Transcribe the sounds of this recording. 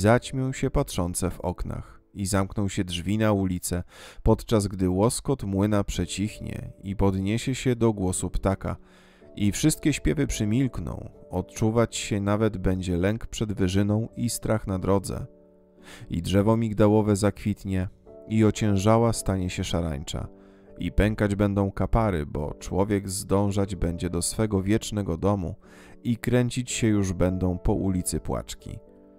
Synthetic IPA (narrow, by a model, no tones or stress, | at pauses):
zat͡ɕmʲɔ̃w̃ɕɛpatʂɔnt̪sɛvɔ̰kna̰x | izamknɔ̃wɕɛdʐvʲinaulʲit̪sɛpɔt̪t͡ʂazɡd̪ɘwɔskɔt̪mwɘnapʂɛt͡ɕixɲɛ̰ipɔd̪ɲeɕɛɕɛd̪ɔɡwɔsupt̪aka̰ | ifʂɘst̪kʲɛɕpʲjɛvɘpʂɘmʲilknɔ̰̃w̃ɔt̪t͡ʂuvat͡ɕɕɛnavɛd̪bɛɲd͡ʑɛlɛŋkpʂɛd̪vɘʐɘnɔ̃w̃ist̪ɾaxnad̪ɾɔd̪zɛ̰ | ḭdʐɛvɔmʲiɡd̪awɔvɛzakfʲit̪ɲɛiɔt͡ɕɛ̃w̃ʐawast̪aɲɛɕɛʂaɾa̰ɲt͡ʂa̰ | ipɛŋkad͡ʑbɛnd̪ɔ̃w̃kapaɾɘ̰bɔ̰t͡ʂwɔvʲjɛɡzd̪ɔ̃w̃ʐad͡ʑbɛɲd͡ʑɛd̪ɔsfɛɡɔvʲjɛt͡ʂnɛɡɔd̪ɔmṵ | ikɾɛɲt͡ɕit͡ɕɕɛjuʐbɛnd̪ɔ̃w̃pɔʔulʲit̪sɘpwa̰t͡ʂkʲḭ